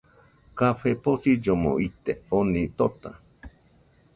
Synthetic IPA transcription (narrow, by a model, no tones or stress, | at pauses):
kaɸeposid͡ʒomõ̰ʔit̪eonĩt̪ot̪a̰